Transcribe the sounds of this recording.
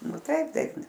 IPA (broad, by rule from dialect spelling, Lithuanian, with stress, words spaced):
nʊ ˈtɐɪp ˈtɐɪp